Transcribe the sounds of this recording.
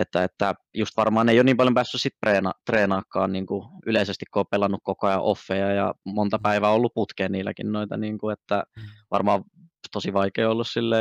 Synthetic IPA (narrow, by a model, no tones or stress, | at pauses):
et̪ːæet̪ːæjust̪ʋɑrmɑːneijoniːmpɑljompæːsːyssit̪̚preːnɑt̪reːnɑːkːɑ̰ːnniːŋkuyleisest̪ikkooppelːɑnːukkokoɑjɑ̰ʔofːejɑjɑ̰mont̪ɑpæiʋæːolːupput̪keːniːlːæ̰kinnoit̪ɑ̰niːŋkuet̪ːæʋɑ̰rmɑːʋ | t̪osiʋɑikeːolːussilːeː